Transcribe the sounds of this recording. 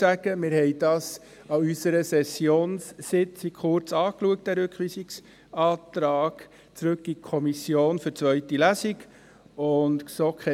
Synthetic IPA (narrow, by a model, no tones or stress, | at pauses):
æɡ̥əmɪɾhɛɪd̥ɑːs | ɑysəɾəsɛsjoːnsːɪt͡sikχʊɾt͡sɑːkluək̚t̚d̥æːɾɵkχʋiːsɪks | ɑːtɾɑːɡ̥ | t͡sɾɵkːikʰɔmisjoːnfʏɾt͡svœʏtilæsɪɡ | ʊntsokʰɛ